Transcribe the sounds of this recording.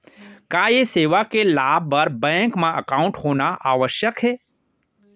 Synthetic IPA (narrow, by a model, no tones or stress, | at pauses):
kajeseːʋakelaːbbəɾbɛ̃ːŋkmãəkaːʊ̃ɳʈhoːnaʔaːʋəʃjəkɦeː